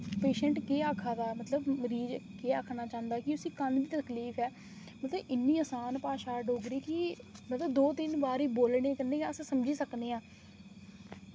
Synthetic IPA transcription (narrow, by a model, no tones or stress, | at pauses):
peːʃə̃ɳʈkeːaːkʰaːd̪aːmət̪ləbməɾiːd͡ʒkeːaːkʰnaːt͡ʃãːnd̪aːkɪʊsiːkənd̪iːt̪əkliːpʰɛː | mət̪ləɪnːiːəːsaːnpaːʃaːɖoːɡɾiːkɪmət̪ləbd̪oːt̪ɪnbaːɾiːboːlɽekəneːəssəmd͡ʒiːsəkneːãː